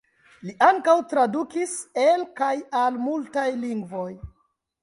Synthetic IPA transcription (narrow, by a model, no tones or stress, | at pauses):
liʔaŋkawtɾadukiselkajalmultajliŋɡvo̞j